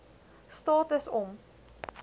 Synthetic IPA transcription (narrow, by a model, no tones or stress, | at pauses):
stɑːtəsɔm